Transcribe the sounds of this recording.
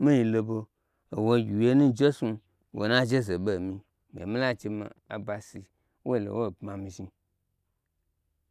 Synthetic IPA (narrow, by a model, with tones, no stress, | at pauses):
mĩ˦ji˨lo˧bo˧ | o˨wo˦ji˨je˦nũ˦d͡ʒe˦su˧ | wʔo̰˨nã˦d͡ʒe˦ze˨be˨mĩ˧ | m˨ḛ˨mĩ˦la˦t͡ʃe˧ma̰˨a̰˨ba˧si˨ | wo˦˨lo̰˨wo˦˨bmã˨mĩ˧ʒi˧